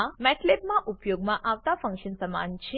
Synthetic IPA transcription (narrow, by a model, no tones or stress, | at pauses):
mɛʈlepmãʔupjoɡmãʔaʋt̪afə̃ŋkʃənsəma̰nt͡ɕʰe